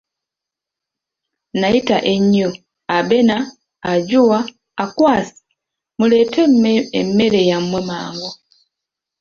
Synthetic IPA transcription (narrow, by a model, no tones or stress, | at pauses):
najitaʔeɲːo | abe̞naː | ɟuwaː | kwaːsi̥ | mule̞ːteemːe̞ɾe̞jamwe̞maːŋɡo